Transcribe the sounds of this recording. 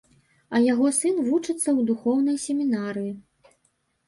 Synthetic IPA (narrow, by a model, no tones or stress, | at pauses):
ɐjaɣɔsɨnvut͡ʂɨt̪sːɐwd̪uxɔwn̪ɐjsʲemʲinaɾɨji